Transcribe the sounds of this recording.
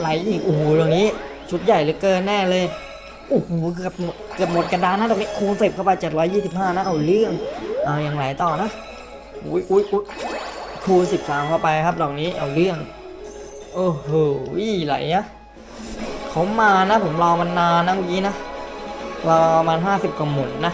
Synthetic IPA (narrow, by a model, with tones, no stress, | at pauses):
la˨˩˦jʔiː˨˩k̚ʔu˨˩hlɔ˨˩ŋniː˦˥ | t͡ɕʰu˦˥t̪̚ja˨˩jlɯː˨˩˦kɤː˧nːɛː˥˩lɤː˧j | ʔu˨˧˩hu˨˩k̬ɯ˧˩p̚mo˨˩t̪̚kɯ˨˩əp̚mo˨˩t̪̚ka˧daː˧na˦˥dɔː˨˩kni˦˥kʰuː˧nse˨˩p̚kʰa˥˩wpa˧jt͡ɕe˨˩t̪̚ɾɔː˦˥jːiː˥˩si˨˩p̚haː˥˩na˦˥ʔa˧˩wlɯ˥˩əŋʔaː˧˩jaː˨˩ŋla˨˦jt̪ɔː˨˩na˦˥ʔ | ʔṵː˨˦˥jʔuː˨˦˥jʔuː˦˥ | kʰuː˧nsi˨˩p̚saː˨˦mkʰa˧˥˩wpa˧jkʰa˦˥p̚dɔː˨˩k̚niː˦˥ʔa̰˧˩wlɯ˥˩əŋ | ʔoː˨˧˩hoː˨˩la̰˨˩˦jʔa˦˥ | kʰa˦˥wmaː˧na˦˥pʰo˩˦mlɔː˧ma˧nːaː˧nːa˦˥maː˧˩kiː˦˥na˦˥ | lɔː˧a˧maː˧nɦaː˥˩si˨˩p̚ka˧˩mo˨˩˦n̚na˦˥ʔ